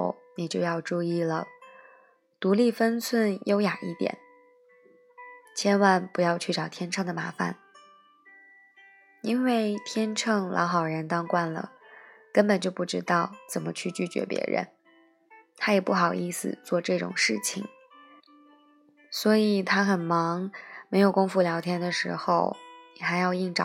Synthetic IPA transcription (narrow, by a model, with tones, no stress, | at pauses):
ʊni˨˩t͡ɕjo˥˧ʊjɑ˥˧ʊʈ͡ʂu˥˧i˥˩lə˩ | t̪u˧˥li˥˩fə˥nt͡sʰwə˥˩njo˥ʊja˨˩ḭ˥˩t̪jɛ̰˨˩˦n | t͡ɕʰjɛ˥nwa˥˩npu˧˥jɑ˥˧ʊt͡ɕʰy˥˩ʈ͡ʂɑ˨˩ʊt̪ʰjɛ˥nʈ͡ʂʰɤ˥˩ŋd̪ə˩ma˧˥fa̰˨˩˦n | i˥nwe˥˩ɪt̪ʰjɛ˥nʈ͡ʂʰɤ˥˩ŋlʔɑ̰˧˥ʊxɑ˨˩ʊɻə˧˥nt̪ɑ˥ŋkwa˥˩nlə̰˩kə˥npə˨˩nt͡ɕjo˥˧ʊpu˥˩ʈ͡ʂɻ̩˥t̪ɑ˥˩ʊt͡sə˨˩nmə˦t͡ɕʰy˥˧t͡ɕy˥˩t͡ɕɥɛ̰˧˥pjɛ̰˧˥ɻə̰˧˥n | t̪ʰa˥jɛ˨˩pu˥˩xɑ˨˩ʊʔi˥˩sɹ̩̰˨˩t͡swɔ˥˧ʈ͡ʂɤ˥˩ʈ͡ʂʊ̰˨˩ŋʂɻ̩˥˩t͡ɕʰḭ˨˩ŋ | swɔ˧˥i˨˩t̪ʰa˥xə˨˩nmɑ˧˥ŋme˧˥ɪjo˨˩ʊkʊ˥ŋfu˥˩ljɑ˧˥ʊt̪ʰjɛ˥nd̪ə˨ʂɻ̩˧˥xo˥˧ʊni˨˩xa˧˥ɪjɑ˥˧ʊi˥˩ŋʈ͡ʂɑ˨˩